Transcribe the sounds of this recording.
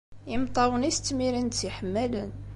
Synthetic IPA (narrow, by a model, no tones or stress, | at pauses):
imt̪ˤɑwənist̪miɾənt̪iħəmːælən